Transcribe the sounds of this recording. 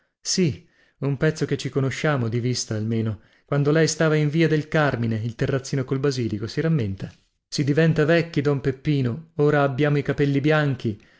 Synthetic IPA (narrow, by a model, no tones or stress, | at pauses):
si | umpɛt̪sːoket͡ʃːikonoʃːaːmod̪ivist̪aːlmeːno | kwand̪olɛjst̪aːvaiɱviːad̪elkarmineilt̪erːat̪sːiːnokolbaziːlikosiɾamːent̪a | sid̪ivɛnt̪avɛkʲːid̪ɔmpepːiːnooːɾaːbːjaːmoikapɛlːibjaŋk̟i